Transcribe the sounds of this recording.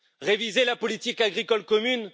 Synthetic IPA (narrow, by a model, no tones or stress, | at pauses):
ʁevizelapɔlit̪ikaɡʁikɔlkɔmyn